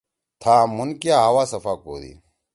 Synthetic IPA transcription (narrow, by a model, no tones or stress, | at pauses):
t̪ʰaːmunkjaːɦɐwaːsɐfaːko̰ːd̪ḭ